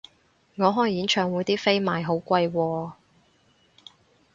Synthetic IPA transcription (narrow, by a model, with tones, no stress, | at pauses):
ŋɔː˨˧ɦɔː˥˩jjiː˨˥nt͡ʃʰœː˨ŋwu˨˥jt̪iː˥fe˥jmaː˨˩jɦo˨˥wkʷɐ˧jwɔː˧